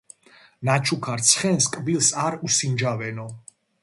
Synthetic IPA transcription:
nat͡ʃʰukʰaɾt̪sʰχɛnskʼbilˠsaɾusind͡ʒavɛnɔ

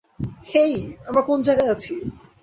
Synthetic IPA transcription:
hejamaɾkond͡ʑaɡajat͡ɕʰi

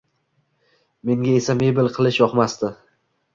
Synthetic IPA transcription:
me̞ŋɡʲae̞samebɪlˠqʰɨlˠɪʃjɒqmast̪ɪ

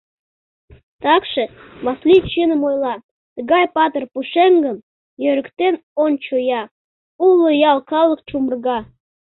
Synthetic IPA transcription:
t̪ɑkʃemɑslit͡ɕinəmojlɑ | t̪əɣɑjpɑt̪ərpuʃeŋɡəm | jøɾəkt̪enont͡ɕojɑ | ulojɑlˠkɑlək̚t͡ʃumərɣɑ

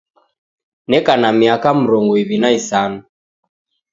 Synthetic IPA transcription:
nɛkanamiakam̩ɾɔŋɡɔiβinaisanu

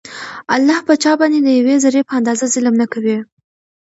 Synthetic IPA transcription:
alːɑhpət͡ʃɑbɑnd̪ed̪əjawezaɾepəand̪ɑzazɪlmnakawi

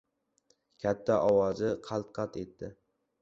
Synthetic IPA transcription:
kʲʰat̪ʰːaʔɒwɒzɪqʰɑlˠt̪̚qʰɑt̪ʰe̞t̪ːɪ

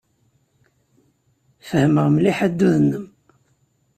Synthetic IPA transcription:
fəhməʁmliħad̪ːuðənːəm

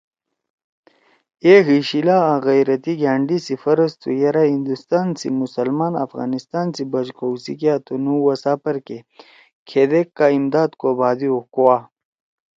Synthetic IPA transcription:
eɦiɕilaːaɣɐjɾɐt̪iɡaːɳɖisifɐɾɐst̪ʰṵjɐɾaɦind̪ust̪aːnsḭmusɐlmaːnɐ̰fɣa̰ːnist̪aːnsibɐd͡ʑkʰowsikiat̪onuwɐsaːpɐɾke | kʰeːd̪eːkːaimd̪aːd̪kobaːd̪iokowaː

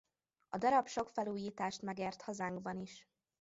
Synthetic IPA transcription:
ɒd̪ɒɾɒpʃo̞kfɛluːjiːt̪aːʃt̪mɛɡeːrt̪hɒzaːŋɡbɒniʃ

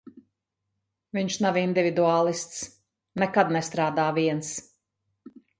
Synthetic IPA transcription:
viɲʃnavind̪ʲivid̪uaːlˠist̪s | nɛkad̪nɛst̪ɾaːd̪aːviɛns

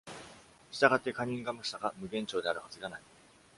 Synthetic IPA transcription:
ɕi̥t̪aɡat̪ːe̞kaɲ̟ĩŋɡamɯ̟ɕi̥saɡamɯ̟ɡẽ̞ɲ̟t͡ɕo̞ːd̪e̞aɾɯ̟hazɨɡanai

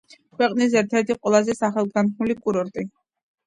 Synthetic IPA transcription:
χɛqʼnizɛɾt̪ʰɛɾt̪ʰʼiqʼɔlˠazɛsaχɛlɡanχulikʼuɾɔɾt̪ʼi

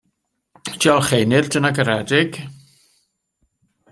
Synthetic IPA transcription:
d̥ʰiɔlˠχejnɪðdənaɡəɾɛdɪɡ̥

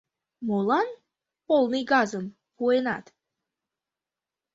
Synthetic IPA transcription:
molˠan | polˠnɨjɡazəm | pʰuenat̪

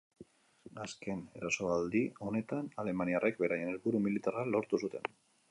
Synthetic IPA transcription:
aske̞ne̞ɾaso̞ald̪io̞ne̞t̪anale̞maniare̞k̚be̞ɾaje̞ne̞ɾβuɾumilit̪aralo̞ɾt̪usut̪e̞̰n

